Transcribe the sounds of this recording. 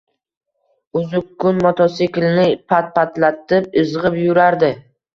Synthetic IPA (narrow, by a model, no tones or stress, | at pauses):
ʊzʊkːʊnmɔt̪ʰɒsekʲɪlnɪpʰat̪̚pat̪lat̪ɪpɪzʁɪpjʊɾaɾd̪ɪ